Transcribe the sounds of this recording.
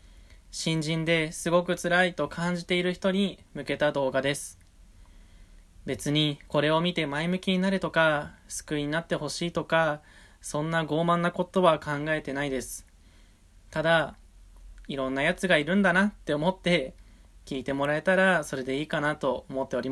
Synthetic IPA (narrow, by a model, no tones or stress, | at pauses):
ɕĩɲ̟d͡ʑĩnd̪e̞sɨɡo̞k̬ɯ̟t͡sɨɾait̪o̞kʰãɲ̟d͡ʑit̪e̞iɾɯ̟çi̥t̪o̞ɲ̟imɯ̟ke̞t̪ad̪o̞ːɡad̪e̞sɨ̥ | be̞t͡sɨɲ̟iko̞ɾe̞o̞mʲit̪e̞maimɯ̟kʲiɲ̟inaɾɯ̟t̪o̞kasɨ̥kɯ̟iɲ̟inat̪ːe̞ho̞ɕiːt̪o̞ka | sõ̞nːaɡo̞ːmãnːako̞t̪o̞βakʰãŋɡae̞t̪e̞naid̪e̞sɨ̥ | t̪ad̪a | iɾõ̞nːajat͡sɨɡaiɾɯ̟̃nd̪anat̪ːe̞o̞mo̞t̪ːe̞kʲiːt̪e̞mo̞ɾae̞t̪aɾaso̞ɾe̞d̪e̞iːkanat̪o̞omo̞t̪ːe̞o̞ɾʲima